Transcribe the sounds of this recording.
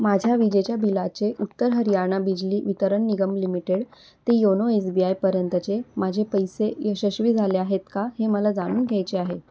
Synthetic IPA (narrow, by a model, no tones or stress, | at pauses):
mad͡ʑʱjaʋid͡ʑet͡ɕjabilat͡seʔut̪ːəɾɦəɾijaɾɳ̃abid͡ʑliːʋit̪əɾəɳːiɡəmlimiʈeɽ | t̪ejonoesbiajpəɾjənt̪ət͡semad͡ʑʱepəjsejəɕəɕʋiːd͡zʱaleaɦet̪kaɦeməlad͡zaɽ̃uːnɡʱjajt͡ɕeaɦe